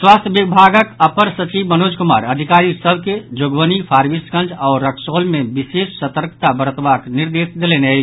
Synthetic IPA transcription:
swaːst̪ʰjəbibʱaɡəkəpəɾsət͡ʃibmənoːd͡ʒkuma̰ːɾəd̪ʱikaɾisəbʱked͡ʒoɡʋənipʰaːɾʋiskə̃nd͡ʒɔːɾːəkʰsolmebisesːət̪əɾkt̪abəɾət̪bakniɾd̪eːsd̪eleneəj

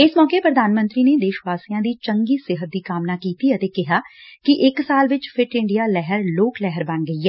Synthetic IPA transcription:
ɪsmɔːkeːpɾəd̪aːnmə̃nt̪ɾiːneːd̪ɪʃʋaːsijãːd̪iːt͡ʃəŋɡiːsɪɦət̪̚d̪iːkaːmnaːkiːt̪iːət̪eːkɪɦaːkɪʔɪksaːlʋɪt͡ʃpʰɪʈɪ̃ɳɖijaːlɛɦəɾloːklɛɦəɾbə̃nɡəiːɛː

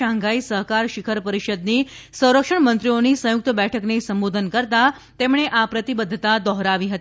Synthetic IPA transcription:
aŋɡaisəɦkaɾʃikʰəɾpəɾiʃəd̪nisə̃w̃ɾəkʂəɳmənt̪ɾionisə̃jʊk̚t̪əbɛʈʰəknesəmbod̪ʱənkəɾt̪a | t̪emɳ̃eʔapɾət̪ibəd̪ʱːət̪ad̪ɔɦɾaʋiɦət̪i

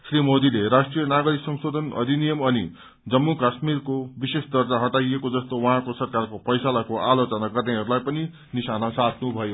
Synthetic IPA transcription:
srimod̪ileɾasʈrijʌnaɡʌɾiksʌŋsod̪ʱʌnʌ̰d̪ʱinijʌmʌni | d͡zʌmːukasmirkobisesd̪ʌrd͡zaɦʌʈajekod͡zʌst̪owʌɦãkosʌrkarkopʌjsalakoʔalot͡sʌnaɡʌrneɦʌɾulajpʌni | nisanasat̪ʰnubʱʌjo

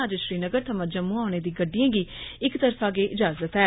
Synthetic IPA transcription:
əd͡ʒʃɾiːnəɡəɾt̪ʰəmãd͡ʒəmːũːaːneːd̪iːɡəɖːijãːɡiːɪkt̪əɾfaːɡeːʔɪd͡ʒaːzət̪ɦɛː

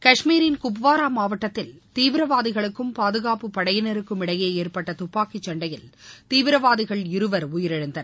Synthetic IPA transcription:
kɐʂmiːɾɪnkʊpʋaːɾaːmaːʋɐʈːɐt̪ːɪlt̪iːʋɪɾɐʋaːðɪɣɐɭɯkːɯmpaːðɯɣaːpɯpɐɽɐjɪnɪɾɯkːɯmɪɽɐjeːeːrpɐʈːɐt̪ʊpːaːkit͡ʃːɐɳɖɐjɪlt̪iːʋɪɾɐʋaːðɪɣɐɭɪɾɯʋɐɾʊjɪɾɐɻɐnd̪ɐɾ

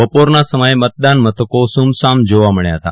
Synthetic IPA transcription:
əpoɾnasəməjemət̪̚d̪anmət̪ʰəkosumsamd͡ʒoʋaməɳja̰ɦət̪a̰

